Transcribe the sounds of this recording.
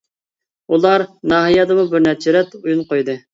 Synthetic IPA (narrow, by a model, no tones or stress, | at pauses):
ulˠɑɾnɑːɦijɑd̪ɨmubɪɾnɛɾt͡ʃʰɪɾɛt̪ujunqojd̪ɨ